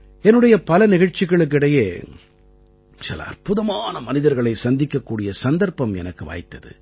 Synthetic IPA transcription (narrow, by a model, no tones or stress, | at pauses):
ɛnːɯɽɐjɐpɐlɐnɪɣɐɻt͡ʃːɪɣɐɭɯk̬ːɪɽɐjeː | t͡ʃɐ̰l̰ɐ̰rpʊðɐmaːnɐmɐnɪðɐɾɣɐɭɐɪsɐnd̪ɪkːɐkːuːɽɪjɐsɐnd̪ɐɾpɐmɛ̰nɐkːɯʋa̰ːjt̪ːɐðɯ̰